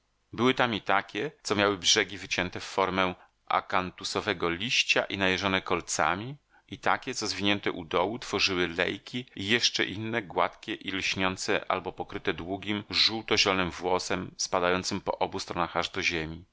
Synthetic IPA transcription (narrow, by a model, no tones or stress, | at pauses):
bɘwɘt̪amit̪akʲɛt̪sɔmjawɘbʐɛɡʲivɘt͡ɕɛnt̪ɛfːɔɾmɛ | ʔa̰kant̪usɔvɛɡɔlʲiɕt͡ɕaʔinajɛʐɔnɛkɔlt̪sa̰mʲi | it̪akʲɛt̪sɔzvʲiɲɛnt̪ɛʔud̪ɔwut̪fɔʐɘwɘlɛ̰jkʲiijɛʂt͡ʂɛ̰ʔinːɛɡwa̰t̪kʲɛʔilɕɲɔnt̪sɛ̰ʔa̰lbɔpɔkɾɘt̪ɛd̪wuɡʲimʐuwt̪ɔʑɛlɔnɘmvwɔsɛmspad̪ajɔnt̪sɘmpɔ̰ʔɔbust̪ɾɔnaxaʐd̪ɔʑemʲi